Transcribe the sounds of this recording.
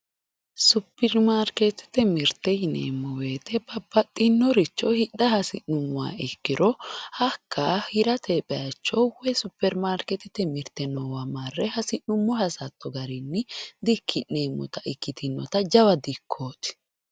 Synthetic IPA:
sʊpːɛɾmaːɾket̪ɪ̥t̪ɛmɪɾt̪ɛjɪnḛːmːɔwe̞ːt̪ɛbɐbɐt̪ʼːɪnːɔɾɪt͡ʃːɔhɪɗːɐhɐsɪ̰ʊmʊwa̰ːɪkːɪɾɔhɐkʰːahɪɾɐt̪ʰeːpɛɐt͡ʃːɔwɛsʊpːɛɾmaːɾkɛt̪ɪt̪ɛmɪɾt̪ɛnɔwɐmarːɛhɐsɪnʊmːɔhɐsɐt̪ːɔɡɐɾɪnːɪd̪ɪkʰːɪneːmːɔ̰t̪ɐʔɪkːɪt̪ʰɪnːɔt̪ɐd͡ʒɐwɐd̪ɪkʰːo̞ːt̪ɪ̥

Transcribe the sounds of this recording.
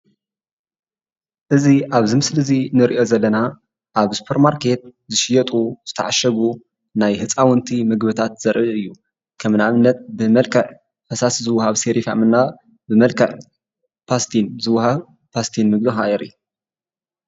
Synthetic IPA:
ʔɨziʔaβzɨmɨslɨzinɨɾiʔo̞zɐlːɐna | ʔaβsu̥pʰeɾmaɾkʰe̞t̪̚zɨʃɪjɐt̪ʼuz̥ɨt̪ʰɐ̰ʕaʃɐβu | najhɨt͡sʼawɨnt̪ʰimɨɡbɨt̪ʰat̪z̥ɐɾʔɨɨjːu | kʰɐmnaβɨnːɐt̪̚bɨmɐlkʰɐʕ | ħɐsaszɨwːhaβseɾifa̰mɨnːa | bɨmɐlkʰɐʕ | pʰast̪ʰinzɨwhaβ | pʰast̪ʰinmɨɡbɨxaʔɛɾḭ

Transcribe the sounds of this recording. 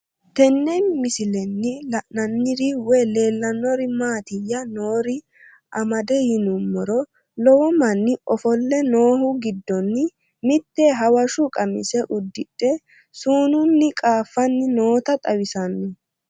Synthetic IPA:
t̪ɛnːɛnmɪsɪlɛnːɪlɐʔnɐnːɪɾɪwɔle̞ːlːɐnːɔɾɪmaːt̪ɪjːɐno̞ːɾɪ | ʔɐmɐd̪ɛjɪnʊmːɔɾɔ | lɔwɔmɐnːɪɔfɔlːɛno̞ːɦʊɡɪd̪ːɔnː | mɪt̪ːɛɦɐwɐʃʊkʼɐmɪsɛʔʊd̪ːɪᶑɛ | suːnʊnːɪkʼaːfːɐnːɪno̞ːt̪ɐt̪ʼɐwɪsɐnːɪ

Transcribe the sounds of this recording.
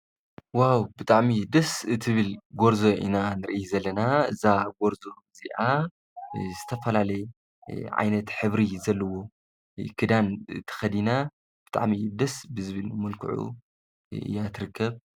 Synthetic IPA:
wawbɨt̪ʼaʕmid̪ɐsɨt̪ʰɨβɨlɡo̞ɾzo̞ʔḭnanɨɾɨʔjzɐlːɐnaɨzaɡo̞ɾzo̞ | z̥iʔa | zɨt̪ʰɐfɐlalɐj | ʕa̰jnɐt̪ħɨβɾizɐlːɐwo̞ | kʰɨd̪ant̪ʰɐ̥xɐd̪ina | b̥ɨt̪ʼa̰ʕmid̪ɐsbɨzɨβɨlmɐlkʰɨ̰ʕṵ | ɨ̰jːat̪ʰɨɾɨkʰːɐβ

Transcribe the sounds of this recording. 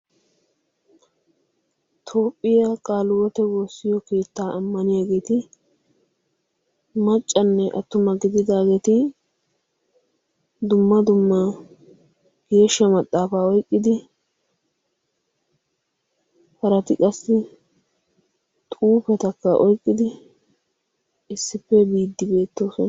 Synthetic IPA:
t̪ʰo̞ːpʼːɪjakʼaːlʊwɔt̪ɛwo̞ːsːɪjɔke̞ːt̪ːaːʔɐmːɐnɪjaːɡe̞ːt̪ɪ | mɐt͡ʃʼːɐnːɛʔɐt̪ːʊmɐɡɪd̪ɪd̪aːɡeːt̪ɪ | d̪ʊmːɐd̪ʊmːa | ɡ̥e̞ːʃːɐmɐt̪ʼːaːfaːɔjkʼːɪd̪ɪ | hɐɾɐt̪ɪkʼɐsːɪ | t̪ʼuːpɛt̪ɐkːɐʔɔjkʼːɪd̪ɪ | ɪsːɪpːɛbiːd̪ːɪbe̞ːt̪ːo̞ːsɔn

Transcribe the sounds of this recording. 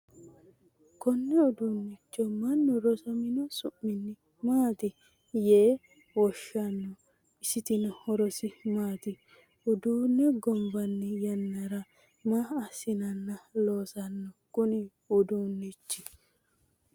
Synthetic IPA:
kɔnːɛʊd̪uːnːɪt͡ʃːɔmɐnːɔɾɔsɐmɪnɔsʊmːɪnːɪ | maːt̪ɪ | jeː | wɔʃːɐnːɔ | ɪsɪt̪ɪnɐhɔɾɔsɪmaːt̪ɪ | ʊd̪uːnːɛɡɔmbɐnːɛjɐnːɐɾɐ | maːɐsɪnɐnːɐloːsɐnːɔkʊnɪ | ʊd̪uːnːɪt͡ʃːɪ

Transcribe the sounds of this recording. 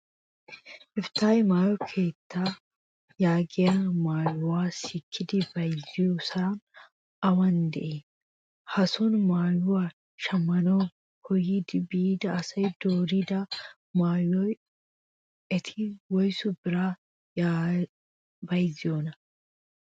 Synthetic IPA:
ʔɪft̪aːjmaːjɔkʰe̞ːt̪ʰːaː | jaːɡɪjamaːjʊwaːsɪkʰːɪd̪ɪbɐjzɪjosɐn | ɐwɐnd̪ɛ̰ʔeː | hɐsʊnmaːjʊwaː | ʃɐmːɐnɔ | hɔjɪd̪ɪbiːd̪ɐːsɐjd̪oːɾɪd̪ɐ | maːjɔj | ʔɛt̪ʰɪwɔjsʊbɪɾaː | a | bɐjzɪjonɐ

